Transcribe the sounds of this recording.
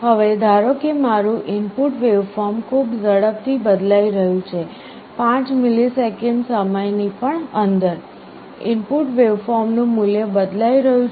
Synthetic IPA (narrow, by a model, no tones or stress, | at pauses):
ɦəʋed̪ʱaɾokemaɾũʔɪnpuʈʋeʋfɔɾmkʰubd͡ʒəɽəb̚t̪ʰibəd̪laiɾəɦjũt͡ʃʰe | pãt͡ʃmɪlisekɛɳɖsəməjnipəɳənd̪əɾ | ɪ̰mpuʈʋeʋfɔɾmnũmʊljəbəd̪laiɾəɦũ